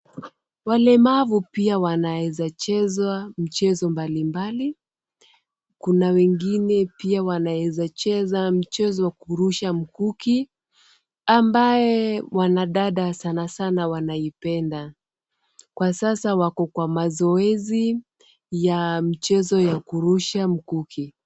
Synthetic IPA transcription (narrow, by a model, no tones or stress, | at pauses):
walɛmavupiawanaɛzat͡ʃɛzwam̩t͡ʃɛzɔmbalimbali | kunawɛŋɡinɛpiawanaɛzat͡ʃɛzam̩t͡ʃɛzɔwakuɾuʃam̩kuki | ambaɛwanaɗaɗasanasanawanaipɛnda | kwasasawakɔkwamazɔɛzi | jam̩t͡ʃɛzɔjakuɾuʃam̩kukʰi